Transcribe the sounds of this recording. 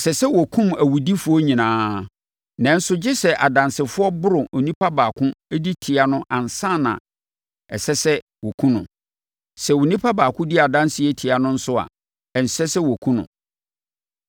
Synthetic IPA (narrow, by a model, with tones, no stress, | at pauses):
sɛ˨sɛ˦wɔ˨kʰũ˦mæ˨wu˨di˦fʊ˦ɔ˦ɲĩ˨nãː˦ | nɛ̃˨n̩˦sʊ˦d͡ʑɪ˦sɛ˨ʔa˨dã˨nsɪ˨fʊ˦ɔ˦bʊ˦ɾʊ̃˨ʔnĩ˦pʰa˦baː˨kʰʊ̃˦æ˦di˦tʰi˨a˨nʊ̃˦ʔã˨n˨sã˦˨nã̰˨ | ɛ˨sɛ˦sɛ˦ | wɔ˨kʰũ˦nʊ̰̃˨ | sɛ˨wʊ˨nĩ˦pʰa˦baː˨kʰʊ̃˦di˦a˨dã˦nsɪ˨˦ɛ˦tʰi˨a˨nʊ̃˦n̩˦sʊ˦a̰˨ | ɛ˨n̩˨sɛ˦sɛ˦wɔ˨kʰũ˦nʊ̰̃˨